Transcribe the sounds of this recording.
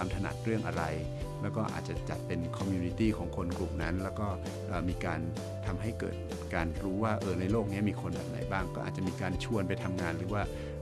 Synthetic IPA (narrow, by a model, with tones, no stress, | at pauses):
aː˧mt̪ʰa˧na̰˨˩t̪̚ɾɯ˥˩əŋʔa˧ɾa˧j | lɛː˦˥wkɔː˥˩ʔa̰ː˨˩t̪̚t͡ɕa˨˩t͡ɕa̰˨˩t̪̚pe˧nkʰɔ˧mjuː˧ni˧˥t̪iː˥˩kʰɔː˩˦ŋkʰo˧nklu˨˩mna˦˥nlɛː˦˥wkɔː˥˩ | ʔɤː˨˩miː˧kaː˧n | t̪ʰa˧mɦa˥˩jkɤ̰ː˨˩t̪̚ | kaː˧nɾuː˦˥waː˥˩ʔɤː˧˩na˧jloː˥˩k̚ni˦˥ɐmiː˧kʰo˧nbɛ̰ː˨˩p̚na˩˦jbaː˥˩ŋkɔː˥˩a̰ː˨˩t͡ɕa˨˩miː˧kaː˧nt͡ɕʰu˧ənpa˧jt̪ʰa˧mŋaː˧nɾɯː˩˦waː˥˩